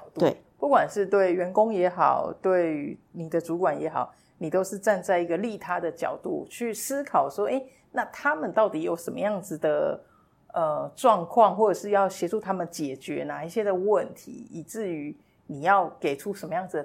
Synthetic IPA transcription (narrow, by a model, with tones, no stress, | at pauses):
t̪u˥˩ | pu˥˩kwa˨˩nʂɻ̩˥˧t̪we˥˩ɪɥɛ˧˥nkʊ˥ŋjɛ˧˥xɑ̰˨˩ʊt̪we˥˩ɪni˨˩d̪ə˦t͡su˧˥kwa˨˩njɛ˨˧˦xɑ̰˨˩ʊ | ni˨˩t̪o˥ʊʂɻ̩˥˧ʈ͡ʂa˥˧nt͡sa˥˩ɪi˧˥ɡə˧li˥˨˩t̪ʰa˥d̪ə˨t͡ɕjɑ̰˨˩ʊt̪ṵ˥˩˨t͡ɕʰy˥˩sɹ̩˥kʰɑ˨˩ʊʂwɔ˥ʔe˥˩ɪ | na˥˩t̪ʰa˦˥mə˨nt̪ɑ˥˩ʊt̪i˨˩˦jo˨˩ʊʂə˧˦nmə̰˧˦jɑ˥˩ŋd͡zɹ̩˨˩d̪ə˩ | ə˧˩ʈ͡ʂwɑ˥˧ŋkʰwɑ˥˧ŋxwɔ˥˩ʈ͡ʂə˨˩ʂɻ̩˥˧jɑ˥˩ʊɕjɛ˧˥ʈ͡ʂu˥˩t̪ʰa˥mə˨nt͡ɕjɛ˨˩t͡ɕɥɛ˧˦na˨˩i˥˩ɕjɛ˧˥d̪ə˨wə˥˨˩nt̪ʰḭ˨˧˦i˨˩t͡sɹ̩˥˩y˧˥ | ni˨˩jɑ˥˩ʊke˨˩ɪʈ͡ʂʰu˦˥ʂə˧˥nmə˧jɑ˥˩ŋd͡z̩˨˩d̪ə˩